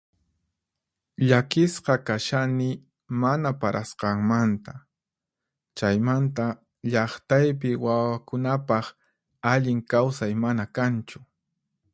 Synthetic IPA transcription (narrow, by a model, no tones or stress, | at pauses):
ʎakɪsqɑkaʃanɪ | manapaɾʔasqɑŋmant̪a | t͡ʃajmant̪a | ʎɑχt̪ajp̬ɪwawakʊnapɑχ | aʎɪŋkawsajmanakant͡ʃʊ̥